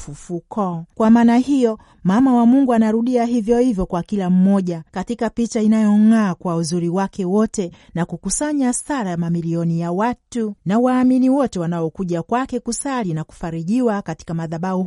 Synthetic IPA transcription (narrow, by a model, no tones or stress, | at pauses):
fufukɔkwamaːnahijɔ | mamawamuŋɡuanaɾuɗiaɦivjɔhivjɔkwakilam̩mɔʄakatikapit͡ʃainajɔŋaːkwauzuɾiwakɛwɔtɛnakukusaɲasaɾamamiliɔnijawatunawaːminiwɔtɛwanaɔkuʄakwakɛkusalinaku̥faɾiʄiwakati̥kamaðaɓau